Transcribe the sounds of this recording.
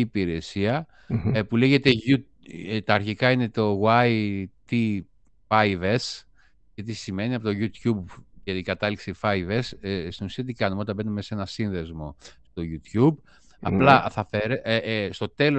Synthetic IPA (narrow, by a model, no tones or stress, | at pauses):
iːpiɾe̞siɐ | pule̞ʝe̞t̪e̞u | t̪ɐːɾçikɐine̞t̪o̞wɐit̪i | fɐives | ʝɐt̪̬isime̞niɐpo̞t̪o̞ʝut̪çubʝɐt̪ikɐt̪ɐliksifɐjvesst̪inusiɐt̪̬ikɐnumeot̪ɐmbe̞numese̞nɐsinðe̞zmo̞st̪o̞ʝut̪çub | ɐ̰plɐθɐfeɾest̪o̞t̪e̞lo